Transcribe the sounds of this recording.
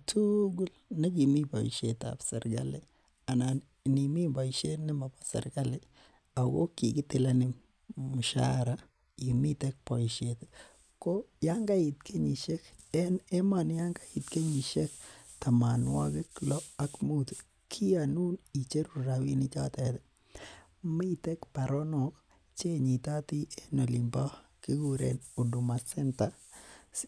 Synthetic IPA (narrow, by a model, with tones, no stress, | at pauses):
tu˦ɡu˦lne˦ki˨mi˦bɔ̰˨ḭ˨ʃe˨ta̰˨psɛ̰˨ɾɡa̰˦lɪ˦ | a˨na˨n | ni˨mi˦ba˨i˨ʃe˦nɪ˦ma˨pa˦sa̰˨ɾɡa˦lɪ˦ | a˨ɣo̰˦ki˨ki˦tɪ˦la˦nɪ˦ | mʊ˨ʃa̰˦ɾa | i˨mi˦tɛ˦k̚pɔ˨i˨ʃe˨t | ko˦ja˦ŋɡa˦i˨tkʰe˦ɲi˨ʃe˦kɛ˦nɛ˦ma˨n˦ja˦ŋɡa˦i˨t̪ke˦ɲi˨ʃe˦kt̪a˨ma˨nwa̰˦ɡɪ˦klɔ˦a˦kmu˦t̪ | kʰi˦a˨nu˦ni˨t͡ʃe˦ɾu˨ɾa˨wi˦ni˦t͡ʃa˦t̪ɛd̪ɛ | mi˦t̪e˦kpa˨ɾɔ˦nɔ˨k | t͡ʃe˦ɲi˨t̪a˦t̪i˦e˦no˨li˨mba˦ki˦ɡu˦ɾḛ˨no˨du˨ma˨sɛ˦nt̪a˨